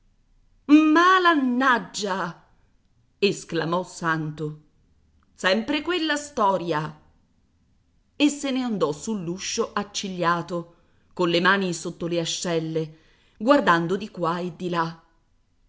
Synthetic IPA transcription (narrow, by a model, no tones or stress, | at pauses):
malanːad͡ʒːa | esklamɔsant̪o | sɛmpɾekwelːast̪ɔːɾja | esːeneand̪ɔsulːuʃːoʔat͡ʃːiʎːaːt̪o | konlemaːnisot̪ːoleaʃːɛlːe | ɡward̪and̪od̪ikwaed̪ːila